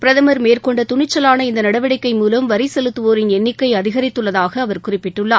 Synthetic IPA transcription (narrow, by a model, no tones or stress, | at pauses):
pɪɾɐðɐmɐɾmeːrkɔɳɖɐt̪ʊɳɪt͡ʃːɐlaːnɐɪnd̪ɐnɐɽɐʋɪɽɐɪkːɐɪmuːlɐmʋɐɾɪsɛlɯt̪ːɯʋoːɾɪnɛnːɪkːɐɪɐðɪɣɐɾɪt̪ːɯɭːɐðaːɣɐːʋɐɾkʊrɪpːɪʈːɯɭːaː